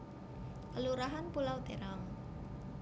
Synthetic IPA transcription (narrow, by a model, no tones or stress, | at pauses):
kəluɾaɦanpulawt̪eɾaŋ